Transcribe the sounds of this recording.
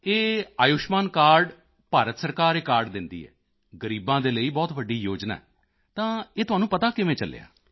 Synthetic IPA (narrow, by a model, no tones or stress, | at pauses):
eːaːjʊʃmaːnkaːɾɖ | paːɾət̪səɾkaːɾeːkaːɾɖd̪ɪnd̪ḭːɦɛ̰ː | ɡəɾiːbãːd̪eːləiːbɔːt̪ʋəɖːiːjoːd͡ʒna̰ːɛ | t̪ãːeːt̪ʊɦaːnũːpət̪aːkɪʋẽːt͡ʃəlḛa̰ː